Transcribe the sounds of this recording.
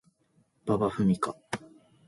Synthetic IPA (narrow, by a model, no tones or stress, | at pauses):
b̥abaɸɯ̟mʲika